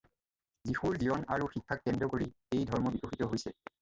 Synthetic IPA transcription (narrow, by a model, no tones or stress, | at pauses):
zixuɹziɔna̰ɹuxikʰːak̚ːɛndɹɔkoɹi | ejdʱɔɹmɔbikoxitɔɦojsɛ